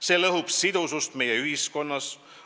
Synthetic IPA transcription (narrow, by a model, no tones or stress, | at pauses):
se̞ːlɤɦub̥sid̪usust̪me̞jeyhisko̞nːɑs